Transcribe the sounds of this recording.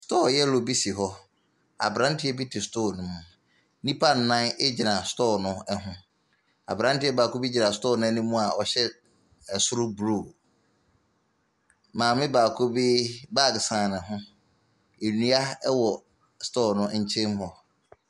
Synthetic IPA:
stʰɔː˦˨jɛ˦lo˨bi˦si˨ɦɔ˦ | a̰˨bɾã˦n˦tʰɪ˦ɛ˦bi˦tʰɪ˨stʰoː˦˨nʊ̃˦mʊ̃˨ | nĩ˦pʰa˦n̩˨nã˦ne˦d͡ʑi˨nã˨stɔː˦˨nʊ̃˦ɛ˦ɦʊ̃˦ | a̰˨bɾã˦n˦tɪ˦ɛ˦baː˨kʰo˦bi˦d͡ʑi˨nã˨stɔː˦˨nʊ̃˦ɛ˦nũ˦mũ˦a˨ɔ˨ɕɛ˦ | ɛ˨sʊ˦ɾʊ˦bɾu˦˨ | mãː˨mɪ̃˦baː˨kʰo˦biː˦ba˦˨ɡsãː˨nɪ̃˨ɦʊ̃˦ | e˨nũ˨˦a˦ɛ˦wɔ˨ | stʰɔː˦˨nʊ̃˦ɲ̩˦t͡ɕʰɛ̃˦mhɔ˦

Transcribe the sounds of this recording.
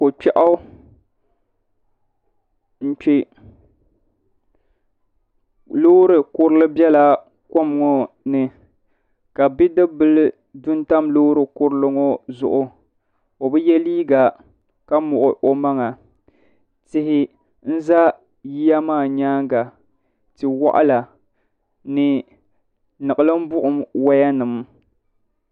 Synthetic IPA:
ko˨k͡pɛ˦ʔa˦ | n̩˦k͡pɪ˦ | loː˦ɾɨ˨kʊ˦ɾɨ˦lɨ˦bɛ˦la˨ | ko˦m˨ŋɔ˨ | nɨ˨ | ka˨bi˦dɨ˦bɨ˦l | dʊ˦nta˦mloː˦ɾɨ˨kʊ˦ɾɨ˦lɨ˦ŋɔ˦zʊ̰˨ʔʊ˦ | o˨bɨ˦jɛ˦liː˦ɡa˨ | ka˦mʊ˨ʔʊ˨ʔo˨ma˦ŋa˨ | tɪ˦hɪ˦ | n̩˦za˦ | ji˦ja˦maː˦˨ɲaː˦ŋɡa˨ | tɨ˨wa̰˦ʔa̰˦la˨ | nɨ˨ | nɨ˨ɨ˨lɨ˦m̩˦bʊ˦ʔʊ˨mwa˦ja˦nɨ˨m˦

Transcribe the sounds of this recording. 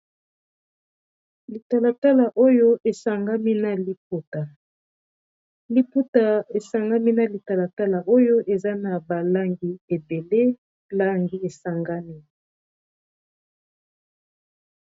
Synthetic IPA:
li˨ta˨la˨ta˦la˨ʔo˦jo˦ʔe˨sa˨ŋɡa˦mi˦na˨li˦p̚u˦ta˨ | li˦pu˦ta˨e˨sa˨ŋɡa˦mi˦na˨li˨ta˨la˨ta˦la˨ʔo˦jo˦ʔe˨za˦na˨ba˨la˦ŋɡi˦e˨be˨le˦ | la˦ŋɡi˦e˨sa˨ŋɡa˦mi˦

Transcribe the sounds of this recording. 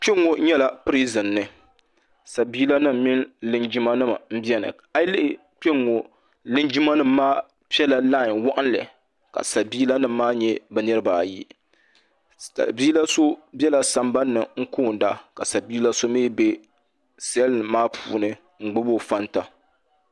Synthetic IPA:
k͡pɛ˦ŋːo˨ɲɛ˦la˨pɨ˦ɾi˦zɨ˨nːɨ˨ | sa˨biː˦la˦nɨ˦m̩˦mi˦nlɨ˦nd͡ʒi˦ma˦nɨ˦ma̰˨m̩˦bi˦ɛ˦nɨ̰˨ | a˦lɪ˦ʔɪ˨ | k͡pɛ˦ŋːo˨ | lɨ˦nd͡ʒi˦ma˦nɨ˦mː˦aː˦ | pi˦ɛ˦la˨laː˦˨wʊ˦˨ʔʊ˦n˦lɨ̰˨ | ka̰˨sa˨biː˦la˦nɨ˦mː˦aː˦ɲɛ˦bɛ˦nɨ˦ɾɨ˦baː˨jḭ˦ | sa̰˨lbiː˦la˦so˦bɛ˦la˨sa˨mba˦nːɨ˨ŋ̩˦koː˦˨n˨da˦ka˨sa˨biː˦la˦so˦miː˦be˦ | sɛ˦lmaː˦pʰṵː˨nɨ˦ | ŋ͡m̩˨ɡ͡bʊ˦bo˦fa˦nta˨

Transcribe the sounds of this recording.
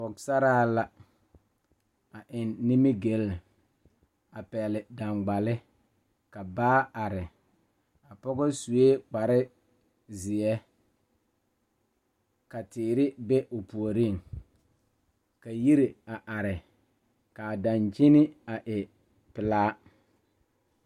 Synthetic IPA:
pɔ˨ksa˦ɾaː˦la˦ | a˨ʔɪ˨nːɪ˦mi˦ɡe˨˦l | a˨pɛ˨lɪ˨da˨ŋɡ͡ba˨lɪ˦ | ka˨baː˦a˨ɾɪ˨ | a˨pɔ˦ɡɔ˦su˨e˦k͡pa˨ɾɪ˦ | zɪ˨ɛ˦ | ka˨tɪː˨ɾɪ˦bɛ˦ʔʊ˨pu˨o˨ɾi˦˨ŋ | ka˨ji˦ɾi˨a˨ʔa˨ɾɪ˨ | ka˨da˨nd͡ʒi˦nɪ˦a˨ʔɪ˨ | pɪ˨laː˦

